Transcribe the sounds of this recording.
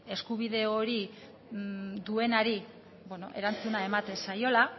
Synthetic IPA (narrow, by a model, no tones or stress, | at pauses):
e̞skuβiðe̞oɾi | ðue̞naɾi | bweno̞̰ʔe̞ɾant͡sunae̞mat̪e̞nsajo̞la